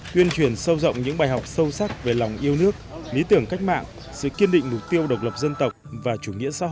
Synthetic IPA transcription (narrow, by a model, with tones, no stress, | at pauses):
t̪wi˧ənt͡ɕwi˧˩ənsə˧wzə̰˧˨wŋ͡mɲɨ̰˧˥ŋɓaː˨˩jɦa˨˩wk͡p̚sə˧wsa˦˥k̚ve˨˩la˨˩wŋ͡mʔi˧əwnɨ˦˥ək̚li˨˦t̪ɨ˧˩əŋka˦˥jk̟̚ma̰ː˧˨ŋ | sɨ̰˧˨ki˧ənɗḭ̈˧˨ŋ̟mʊ˨˩k͡p̚t̪i˧əwɗə˨˩wk͡p̚lə˨˩p̚zə˧nt̪ə˨˩wk͡p̚vaː˨˩t͡ɕu˧˩ŋḭ˧˥əsa̰ː˧˥h